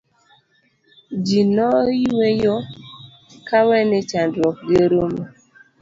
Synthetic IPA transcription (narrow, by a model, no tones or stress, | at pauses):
d͡ʒinɔiwejo | kawɛnet͡ʃandɾɔk̚ɡeɾome